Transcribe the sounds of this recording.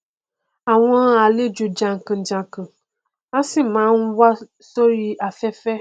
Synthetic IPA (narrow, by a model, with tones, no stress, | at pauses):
a˨wɔ̃˦a˨le˦d͡ʒu˨d͡ʒã˨ŋ̩˨kə̃˨d͡ʒã˨kə̃˨ | a˦sĩ˦mã˨˦ŋũ˦wa˦ | sɔ˦ɾi˦ʔa˨fɛ˦fɛ˦